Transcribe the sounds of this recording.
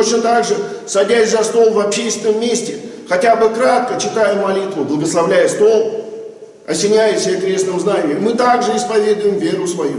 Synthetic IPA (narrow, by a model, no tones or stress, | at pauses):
t̪ot͡ɕnət̪aɡʐɨsɐdʲæsʲzɐst̪o̞lˠvɐpɕejst̪nəmːʲesʲtʲɪ | xɐtʲabɨkɾat̪̚kət͡ɕɪt̪ajəmɐlʲit̪vʊblˠəɡəslˠɐvlʲæjəst̪o̞lˠ | ɐsʲɪnʲæjɪsʲekɾʲe̞snɨmznanʲɪjəmmːɨt̪aɡʐɨɪspɐvʲed̪ʊjɪmvʲe̞ɾʊsvɐju